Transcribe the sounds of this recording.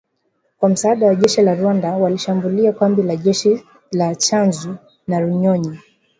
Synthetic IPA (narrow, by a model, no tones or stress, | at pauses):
kwam̩saːɗawaʄɛʃilaɾuwandawaliʃambuliakambilaʄɛʃi | lat͡ʃanzu | naɾuɲɔɲi